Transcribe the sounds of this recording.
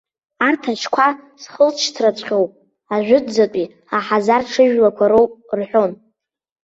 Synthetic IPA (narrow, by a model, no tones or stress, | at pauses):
artʰaʃkʷʰasχəlt͡ʃʰtʰrat͡ɕʷʰʼχʲowpʼ | aʒᶣʷʊdd͡zatʷʼi | aħazarʈ͡ʂʰɨʒᶣlakʷʰaɾo̞wpʼrħʷᶣo̞n